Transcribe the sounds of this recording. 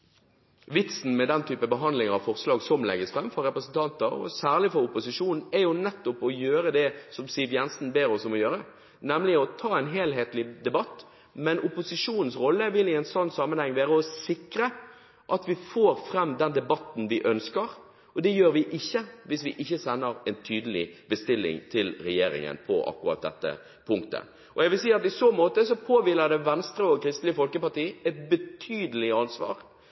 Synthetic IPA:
ʋɪt̪sn̩mɛd̪ɛnt̪ʰyːpəbəɦɑnd̪lɪŋəʁɑʋfɔʁslɑːɡsɔmlɛ̰ɡːəsfʁɛmfɔɾɛpɾəsn̩t̪ʰɑnt̪əɔ̰sæːʁlɪfɔɾʊpʊsɪʂuːnn̩ɛjʊnɛt̪ːʊpɔjøːɾəd̪ɛsɔmsiʋjɛnsn̩beːɾɔsɔmɔjøːɾə | nɛmlɪɔt̪ʰɑːɛɪnɦeːlɦeːt̪lɪd̪ɛbɑt̪ | mɛnʊpʊsɪʂuːnn̩sʁɔlːəʋɪlɪɛɪnsɔnːsɑmənhɛŋːʋæːɾəɔsɪkɾə | ʔɑt̪ʋɪfoːɾfɾɛmd̪ɛnd̪ɛbɑt̪n̩ʋɪʔœnskəɾ | ʔɔd̪ɛjøːɾʋɪʔɪçːəʋɪsʋɪʔɪçːəsɛnːəɾɛnt̪ʰyːd̪əlɪ̰bəst̪ɪlːɪ̰ŋt̪ʰɪlɾɛjeːɾɪ̰ŋə̰npʰɔ̰ʔɑ̰kːʊɾɑ̰t̪̚d̪ɛt̪ːə̰ | pʰʊŋkt̪ə̰ | ʔɔjɛɡʋɪls̬iːɑt̪ɪsoːmoːt̪əsɔpʰoːʋɪlːəd̪ɛʋɛnst̪ɾəɔkʰɾɪst̪lɪəfɔlkəpɑʈiːɛt̪bət̪ʰyːd̪əlɪɑnsʋɑ̰ːɾ

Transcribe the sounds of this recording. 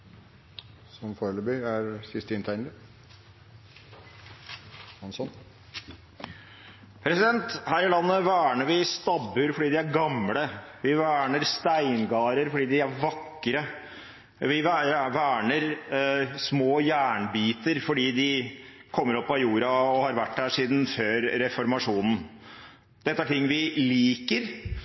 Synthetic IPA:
sɔmfɔːɾləbyːæɾsɪst̪ɪnt̪ʰæɪnə | hɑnsɔn | pʰɾɛsɪd̪ɛnt̪hæːɾɪlɑnːəʋæːɳəɾʋɪst̪ɑbʉɾfɔɖiːd̪ɪæɾɡɑmləʋɪʋæːɳəɾst̪æɪnɡɑːɾəɾfɔɖiːd̪ɪæɾʋɑkː | ɾə | ʋɪʋæʋæːɳəɾ | smoːjæːɳbiːt̪əɾfɔɖiːd̪ɪkʰɔmːəɾɔpːɑjuːɾɑɔhɑɾʋæʈːd̪æːʂiːd̪n̩føːɾːɛfɔɾmɑʂuːnən̩ | d̪̥ɛt̪ːəæʈɪŋːʋɪliːkəɾ

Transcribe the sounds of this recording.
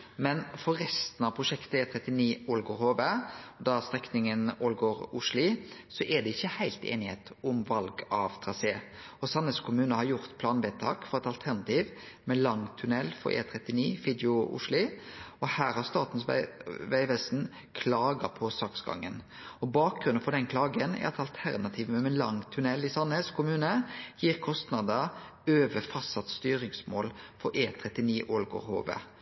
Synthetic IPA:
mɛnfɔɾɾɛst̪nɑʋpʰɾʊʃɛkt̪əeːt̪ʰɾɛt̪ːɪniːɔlɡoːɾhoːbed̪ɑst̪ɾɛknɪŋənoːlɡoːɾʊʂlɪsɔʔɛd̪ɛɪçːəhæɪlt̪ḛːnɪheːt̪ʊmʋɑlɡɑʋt̪ʰɾɑseː | ɔsɑnəskʰʊmʉːnəhɑɾjʊɾt̪pʰlɑːnʋeːt̪ʰɑːkfɔɾɛt̪ɑlt̪ʰæʁnɑt̪ʰiːʋ | mɛlɑŋt̪ʰʉnɛlːfɔ̰ɾʔḛːt̪ʰɾɛt̪ːɪniːfɪd̪ɪʊʊ̰ʂlɪɔhæːɾhɑɾst̪ɑːt̪n̩sʋæɪʋɛsn | kʰlɑːɡɑpʰɔsɑksɡɑ̰ŋːən | ɔbɑːk̚ɡɾʉnnfɔd̪ɛnkʰlɑːɡənɛ̰ɾɑɛt̪ɑlt̪ʰæʁnɑt̪ʰiːʋmɛlɑŋt̪ʰʉnɛlːɪsɑnɛskʰʊmʉːnəjiːʁkʰɔst̪nɑd̪ə | øːʋəfɑsɑt̪st̪yːɾɪŋsmoːlfɔɾʔeːt̪ʰʁɛt̪ɪniːʔɔlɡʊ̰ɾho̰ːʋə̰

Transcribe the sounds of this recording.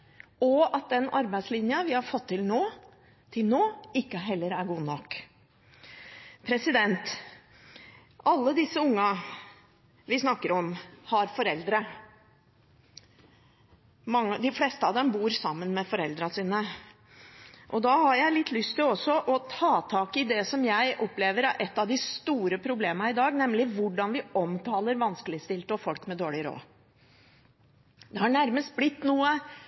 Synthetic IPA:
ɔɑt̪̚d̪ɛnɑɾbæɪslɪnjəʋɪhɑɾfɔt̪ʰːɪlnoː | t̪ʰɪlnoːɪkːəɦɛlːəɾæɾɡuːnɔkː | pʰɾɛsɪd̪ɛnt̪ | ʔɑlːəd̪ɪsːəʊŋːɑ | ʋɪsnɑkːəɾɔmhɑɾfɔɾɛld̪ɾə | mɑŋːəd̪ɪfleːst̪əɑʋd̪ɛmbuːɾsɑmːənmɛfɔɾɛld̪ɾɑsiːnə | ʔɔd̪ɑhɑɾjæɪlɪt̪ʰːlʏst̪ʰːɪlɔsːɔʔɔt̪ʰɑːt̪ʰɑːkɪd̪ɛsɔmjæɪʔɔpːleːʋəɾæɾʔɛt̪ːɑʋd̪ɪst̪uːɾəpʰɾʊbleːmənɑɪd̪ɑːɡnɛmlɪʋʊɖɑnʋɪɔmt̪ʰɑːləɾʋɑnskəlɪst̪ɪlt̪ɔfɔlkmɛd̪oːɭɪɾo̰ː | d̪ɛhɑɳæɾməst̪̚blɪt̪ːnuːə

